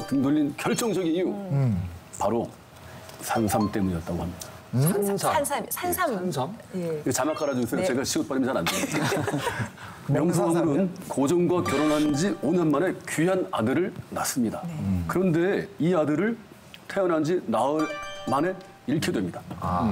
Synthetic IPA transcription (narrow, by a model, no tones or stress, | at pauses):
tɯndɯʎːinkjʌɭt͡ɕ͈ʌŋd͡ʑʌɡiniju | paɾo | sʰaŋsʰamt͈e̞muɲiʌt͈aɡohamɲida | anʰa | t͡ɕamak͈aɾad͡ʑusʰejot͡ɕe̞ɡaɕʰiɡop͈aɾimjnt͡ɕaɾandeda | jʌŋsʰɯamɯɾɯnkod͡ʑʌŋɡwakjʌɾʌnɦand͡ʑionanmane̞kɥiɦana̰dɯɾɯɭnas͈ɯmɲidakɯɾʌnde̞iadɯɾɯɭ | tʰe̞ʌnɦand͡ʑinaɯɭmane̞ | iɭkʰidwe̞mɲida